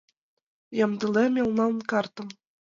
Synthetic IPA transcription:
jɑmd̪ɤ̆lemʲelnɑlnkɑrt̪ɤ̆m

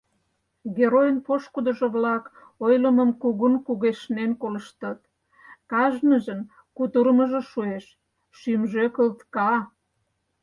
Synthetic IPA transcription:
ɡeɾojənpoʃkud̪əʒŏβlɑk | ojləməmkuɣunkuɣeʃnenkolə̆ʃt̪ɑt̪ | kɑʒnəʒən | kut̪uɾməʒĕʃueʃ | ʃymʒøkəlt̪kɑ

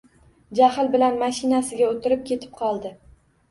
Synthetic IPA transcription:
d͡ʒahɪlbɪlanmaʃɪnasɪɡʲaot̪ʰɪɾɪp̚kʲʰe̞t̪ʰɪ̥p̚qʰɒlˠd̪ɪ

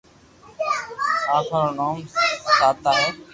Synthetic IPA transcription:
aːkʰaːɾoːnaːmsaːt̪aːɦeː

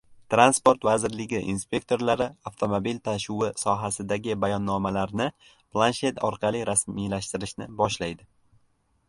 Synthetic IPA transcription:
t̪ɾanspo̞ɾt̪vazɪɾlɪɡʲɪʔinspʲe̞kt̪ʰo̞ɾlaɾɪaft̪ʰo̞mobilt̪ʰaʃʊwɪsɒɦasɪd̪aɡʲɪbajɒnːɒmalaɾnɪ | plˠanʃe̞t̪ɒɾqʰɑlˠijɾasmijlaʃt̪ɪɾɪʃnɪbɒʃlajd̪ɪ

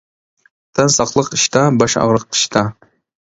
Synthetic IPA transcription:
t̪ʰɑnsɑqlˠəqiʃt̪ɑbɑʃɑ̰ʁɾəq̚i̥ʃt̪ʰɑ

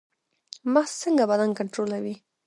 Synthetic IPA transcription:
məxsəŋɡabad̪ankaɳʈɾolawi

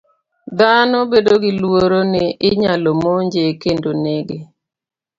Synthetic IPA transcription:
d̪anɔbedoɡɪlwoɾonɛʔɪɲalomɔɲd͡ʒekendoneɡɪ

